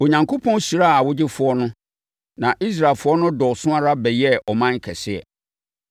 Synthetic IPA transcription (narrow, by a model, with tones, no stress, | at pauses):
o˨ɲã˨ŋkʰo˦pʰɔ̃˦n˦su˨ɾa˦˨a˨wʊ˦d͡ʑɪ˦fʊ˦ɔ˦nʊ̃˦ | nã˨ʔi˦s̬ɾa˨lfʊ˦ɔ˦nʊ̃˦dɔ˨sʊ̃˦ã˦ɾa˦bɛ˨jɛ˦ʔɔ˨mã˦ŋ˦kʰɛ˨sɪ˦ɛ̰˨